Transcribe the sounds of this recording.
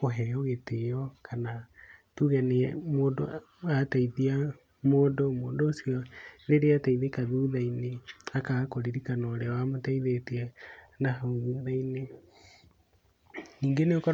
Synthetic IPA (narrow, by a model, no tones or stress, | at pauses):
koɦɛɣeteɔkanatuɣɛneɛmoːndo̰ | ataiðia | moːndomoːndoosijɔneɾeataiðekaðuðaineakakoɾiɾikanɔɾeɔwamotaiðeteɛnaɦaðuːðaine | niːŋɡeneokɔ